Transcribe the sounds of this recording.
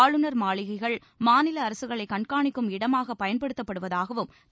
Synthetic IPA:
ɭɯnɐɾmaːɭɪɣɐɪɣɐɭ | maːnɪlɐːɾɐsɯɣɐɭɐɪkɐɳkaːɳɪkːɯmɪɽɐmaːɣɐpːɐjɐnpɐɽɯt̪ːɐpːɐɽɯʋɐðaːɣɐʋɯm

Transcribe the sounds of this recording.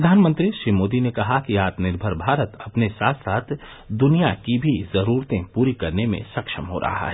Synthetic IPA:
ɾɐd̪ʱaːnmə̃nt̪ɾiʃɾiːmoːd̪inekɐɦakiaːt̪nɪɾbʱəɾbʱaːɾət̪ɐpnesaːt̪ʰsaːt̪ʰ | d̪ʊnijakibʱizɐɾuːɾt̪ẽpuːɾikɐɾnemḛ̃sɐkʃəmɦo̰ɾʔɐ̰ɦa̰ɦɛː

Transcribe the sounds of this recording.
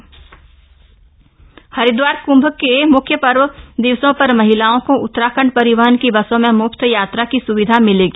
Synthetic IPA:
hɐɾɪd̪waːɾkʊ̃mbʱkemʊkʰjəpəɾwəd̪ɪʋsõpɐɾmɐɦɪlaːõkoʊt̪ːəɾaːkʰəɳpɐɾɪʋəɦənkibɐsõmẽmʊkt̪ʰjaːt̪ɾakisʊʋɪd̪ʱamɪleːɡiː

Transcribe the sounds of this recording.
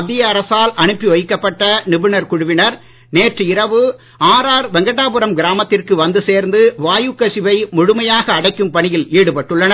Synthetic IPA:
ɐðːɪjɐɐɾɐsaːlɐɳɯpːiʋɐjɪkːɐpːɐʈːɐnɪʋɯnɐɾkʊɻʊʋɪnɐɾ | neːrʈrɯɪɾɐʋɯ | aːɾaːɾʋɛŋɡɐʈːaːpɯɾɐmɡɪɾaːmɐt̪ːɪrkɯʋɐnd̪ɯseːɾnd̪ɯʋaːjɯkːɐsɪʋɐɪmʊɻʊmɐjaːɣɐːɽɐɪkːɯmpɐɳɪjɪleːɽɯpɐʈːɯɭːɐnɐ

